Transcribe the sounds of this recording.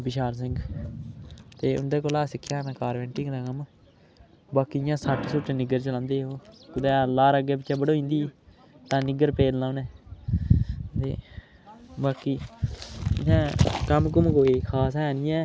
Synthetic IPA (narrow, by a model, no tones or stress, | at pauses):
bɪʃaːɾs̬ɪ̃ŋɡ | t̪eːʊ̰nd̪eːkoːlaːsɪkʰːjaːmɛ̃ːkaːɾʋɛ̃ːɳʈɪŋd̪aːkəm | baːkiːjãːsəʈsʊʈnɪɡəɾt͡ʃəlãːnd̪eːɦoːkʊd̪ɛːlaːɾəɡeːbɪt͡ʃːɛːbəɽoːĩːnd̪iː | t̪ãːnɪɡəɾpeːlnãːnɛ̃ː | t̪ḛː | baːkiː | ɪjãːkəmkʊmkoːiːkʰaːsɛːnɪjɛ̃ː